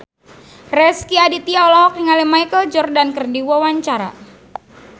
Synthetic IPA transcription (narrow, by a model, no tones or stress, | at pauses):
rɛskiadit̪iaɔlaɦɔk̚niŋalimajkəld͡ʒɔrdankərdiwawaɲt͡ʃaɾa̰